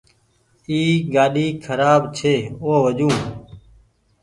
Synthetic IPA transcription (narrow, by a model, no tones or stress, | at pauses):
iːɡaːɗiːkʰəɾaːbt͡ʃʰeːoːʋəʄũː